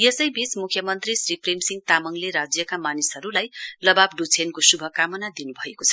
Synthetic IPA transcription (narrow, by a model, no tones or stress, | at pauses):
jesʌjbismukʰjʌmʌnt̪risriprimsiŋɡ̚t̪amʌŋleɾad͡zjʌkamanisɦʌɾulajlʌbabɖut͡sʰenkosubʱʌkamʌnad̪inubʱʌekot͡sʰʌ